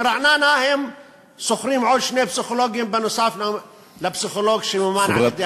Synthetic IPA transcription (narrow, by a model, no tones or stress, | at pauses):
ɾˤaʕnaːnahɪm | sʊxɾiːmʕoːd̪ʃneːbsɪxoloːɡjimbɪnʊsˤɑːfna | labsɪxoloːɡʃimamaːnʕad̪i